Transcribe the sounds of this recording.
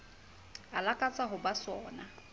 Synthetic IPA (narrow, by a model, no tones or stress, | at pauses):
alakʼat͡sʼaɦʊbasɔːna